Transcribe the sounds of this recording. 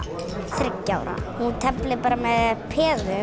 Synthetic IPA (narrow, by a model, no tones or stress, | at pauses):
θɾɪcːa̰wɾa̰hunt̪ʰɛplɪpaːɾamɛðpʰɛːðʏ